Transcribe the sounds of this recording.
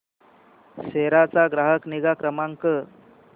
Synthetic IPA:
ɕeɾat͡saɡɾaɦəkniɡakɾəmaŋkə

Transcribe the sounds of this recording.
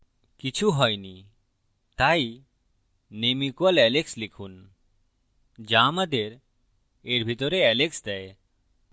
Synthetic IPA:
kit͡ɕʰuɦɔjni | t̪aj | nemikualɛlekslikʰun | d͡ʑamad̪eɾ | eɾbʱit̪ɔɾeɛleksd̪ɛe

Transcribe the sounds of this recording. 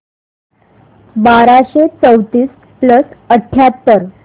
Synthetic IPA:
baɾaɕet͡səwt̪iːs | pləsəʈʰjat̪ːəɾ

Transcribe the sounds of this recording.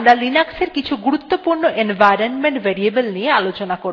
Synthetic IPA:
mɾalinakseɾkit͡ɕʰuɡuɾut̪ːopuɾnoʔenvajɾonmeɳʈveɾiebelniealot͡ɕonakoɾ

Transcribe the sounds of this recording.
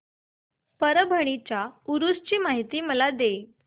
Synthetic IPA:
pəɾəbʱəɳ̃it͡ɕjauɾust͡ɕiːmaɦit̪iːməlad̪e

